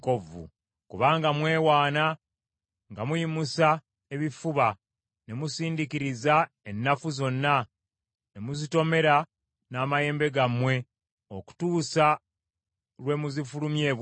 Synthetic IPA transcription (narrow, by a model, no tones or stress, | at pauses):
kovṵ | kuβaːŋɡamwe̞ːwaːna | ŋɡamujimusa | e̞βifuβa | ne̞musiːndikiɾiza | enːafuzo̞nːa | ne̞muzito̞me̞ɾa | naːmaje̞ːmbe̞ɡamwe̞ | oku̥tuːsa | lwe̞muzifulumje̞ːβw